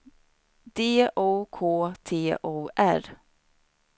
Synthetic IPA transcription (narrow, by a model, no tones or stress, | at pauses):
d̪eːʔoːkʰoːt̪ʰeːʔoːʔæ̰ɾ